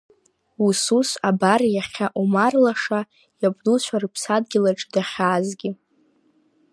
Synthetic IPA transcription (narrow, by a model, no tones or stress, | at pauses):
ususabarjaχʲaʔumarlaʂa | jab̚ʼdut͡ɕʷʰarɨpʰsad̚ɡʲɪlaʈ͡ʂʼdaχʲaːzɡʲɪ